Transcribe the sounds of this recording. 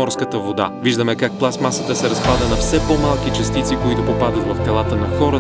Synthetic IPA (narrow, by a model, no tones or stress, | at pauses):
ɔɾskət̪əvod̪a̰viʒd̪əmɛkak̚plˠasmasət̪əsɛɾɐspad̪ənɐfsɛpɔmalˠkit͡ʃɐst̪it̪sikoit̪ʊpopad̪ət̪vɐft̪ɛlˠat̪ənɐxɔɾə